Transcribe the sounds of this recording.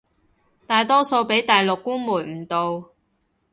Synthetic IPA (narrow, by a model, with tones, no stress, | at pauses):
t̪aː˨jt̪ɔː˥so˧wpe˨˥jt̪ɐ˨jlʊ˨kːuː˥nmuː˨˩jm̩˨˩t̪o˨w